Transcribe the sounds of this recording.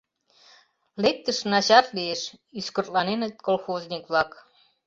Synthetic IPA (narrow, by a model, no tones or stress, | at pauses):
lek̚t̪əʃnɑt͡ɕɑt̪lieʃyskərt̪lɑnenət̪̚kolxoznʲikβlɑk